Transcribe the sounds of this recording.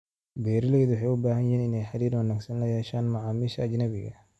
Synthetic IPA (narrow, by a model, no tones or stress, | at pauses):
bɛːɾɪlɛjðuwħɛjʊbaːhɐnjɛːnɪnɛjħaɾiːɾwɐnːɐɡsɐnlɐjɛʃaːnmaʕaːmiːʃɐːd͡ʒnɐbɪɣɐ̰